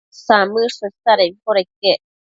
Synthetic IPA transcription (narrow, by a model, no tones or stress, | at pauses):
samɨʂəsaɾekoɾeke